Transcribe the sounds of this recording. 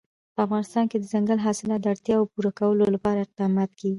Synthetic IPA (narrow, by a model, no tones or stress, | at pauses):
pəafɣɑnɪst̪ɑnked̪əzaŋɡəlɦɑsɪlɑt̪d̪əaɽt̪jɑawpuɾakawəlolapɑɾaɪq̚d̪ɑmɑt̪kawi